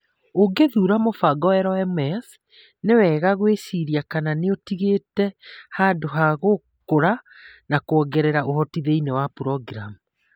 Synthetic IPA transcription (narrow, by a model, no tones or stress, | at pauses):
oɡeðuɾamofaɡɔɛɾɔɛmɛs | newɛːɣaɣwesiɾiakananeotiɣeːtɛhadoɦaɣo | koɾa | nakoɔɡɛɾɛɾaʔohɔtiðeinewapuɾɔɡɾamu